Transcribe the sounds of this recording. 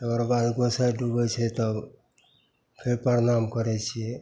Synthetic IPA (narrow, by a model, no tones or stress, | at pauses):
əɡəɾbad̪ɡɔsajɖubɛt͡ʃʰɛt̪ɔ | pʰeɾpəɾnamkəɾɛt͡ʃʰiɛ